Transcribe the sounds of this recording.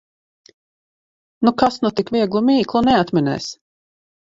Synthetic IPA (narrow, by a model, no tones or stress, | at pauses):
nukasnut̪ikvʲiɛɡlˠumiːklˠunɛat̪mʲinɛ̰ːs